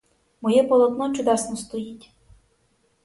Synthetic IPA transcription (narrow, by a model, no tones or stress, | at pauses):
mɔjɛpɔlˠɔt̪nɔt͡ʃʊd̪ɑsnɔst̪ɔjitʲ